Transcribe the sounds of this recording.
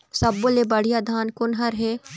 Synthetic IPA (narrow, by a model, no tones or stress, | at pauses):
sɐbːolebɐɽ̤ijaːd̪ʱaːnkʊnɦɐɾɦeː